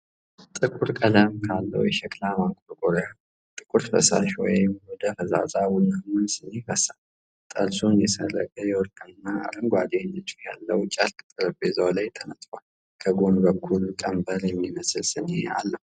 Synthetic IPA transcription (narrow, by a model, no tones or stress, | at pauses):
t̪ʼɨkʼuɾkʼələmkʰalːə̰wjɛʃɛkʰʼlamaŋkʼoɾɡʼoɾja | t̪ʼɨkʼuɾfə̰sa̰ʃwɔ̰jmwɔd̪əfəza̰zʼawʊnːamɨnsɨnefəsa | t̪ʼəlsonjɛsərːəkʼəjɛwɔɾkʼəɨnːaa̰ləŋɡʷad̪enɨt͡ʃʼːujalːəwt͡ʃʼalkʼɨ̥t̪ʼɨɾɨbezəwlajt̪ʰənət̪ʼal | kʰəɡo̞nbəkʰːulkʼəmbəɾjɛmːiməsɨlsɨnḛa̰lːəhu